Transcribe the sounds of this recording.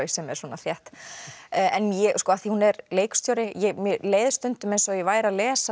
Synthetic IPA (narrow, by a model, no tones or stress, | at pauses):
ɥjsɛmɛɾsɔːnaθjɛht̪ː | ʔɛnjɛskɔːaθihunɛɾleːjkst̪joːɾɪjɛmjɛleːjðʏst̪ʏnt̪ʏmejnsɔivaːjɾalɛːsa